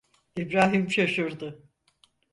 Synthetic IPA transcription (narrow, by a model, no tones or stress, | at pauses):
ibɾaːɦimʃaʃuɾd̪ʊ